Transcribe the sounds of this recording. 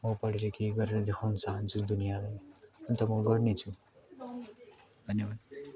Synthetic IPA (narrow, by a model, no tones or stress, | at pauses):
mʌpʌɽeɾʌkeɡʌɾeɾʌd̪ekʰawnʌt͡saɦant͡sʰud̪unijalajʌnt̪ʌmʌɡʌɾnet͡sʰu | d̪ʱʌnjebad̪